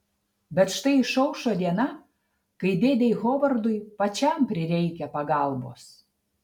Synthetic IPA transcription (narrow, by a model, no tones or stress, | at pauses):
bʲɛt̪ʃt̪ɐɪʃɐʊʃoːd̪ʲiɛnɑ | kɐɪd̪ʲeːd̪ʲejɣoʋɐrd̪ʊjpɐt͡ʃʲɛmpʲɾʲɪɾʲɛɪkʲɛpɐɡɑlˠbo̰ːs